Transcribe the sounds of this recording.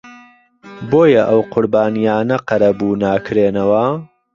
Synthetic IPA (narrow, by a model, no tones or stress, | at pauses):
boːjɐʔɐwqʰʊɾbaːnijaːnɐqɐɾɐbuːnaːkʰɾeːnɐwɐ